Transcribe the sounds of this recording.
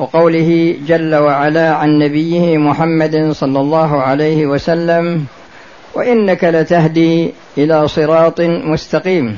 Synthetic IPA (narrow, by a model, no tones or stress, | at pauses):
wɑqɑwlɪhɪd͡ʒalːawaʕalaːʕanːabɪjːɪhɪmʊħamːad̪sˤɑlːɑlˤːɑːɦʊʕalajhɪwasalːam | wa̰ʔɪnːakalat̪aɦd̪iː | ʔɪlaːsˤɨɾɑːt̪ˤmʊst̪ɑqiːm